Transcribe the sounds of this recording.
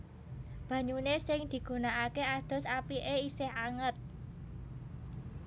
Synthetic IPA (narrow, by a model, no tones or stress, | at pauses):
b̥ä̤ɲunesɪŋd̪̥i̤ɡ̥ṳnaʔakead̪̥ɔ̤sapiʔeisɪhaŋət̪̚